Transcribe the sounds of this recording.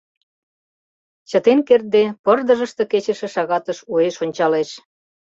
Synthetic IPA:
t͡ɕət̪enkert̪̚d̪epərd̪əʒə̆ʃt̪ĕket͡ɕə̆ʃĕʃɑɣɑt̪əʃueʃonʲt͡ɕɑleʃ

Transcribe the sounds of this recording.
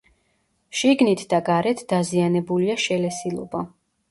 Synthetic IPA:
ʃiɡnit̪ʰd̪aɡaɾɛt̪ʰd̪̥azianɛbuliaʃɛlɛsilˠɔ̰ba

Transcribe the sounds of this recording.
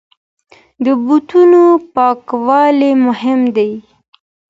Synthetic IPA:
d̪əbut̪unopɑkwɑlemʊhɪmd̪aj

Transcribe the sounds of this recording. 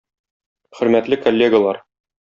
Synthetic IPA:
χɵ̆ɾmæt̪lɘkolʲːeɡɐlˠɑɾ

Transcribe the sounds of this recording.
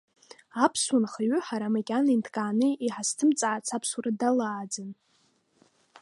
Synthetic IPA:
apʰsunχaɥʏħaɾamakʲʼanintʰkʼaːnɨiħastʰɨmt͡sʼaʕat͡sʰapʰswaradalaːd͡zan

